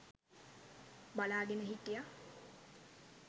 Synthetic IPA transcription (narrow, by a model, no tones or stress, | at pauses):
balaːɡenəɦiʈija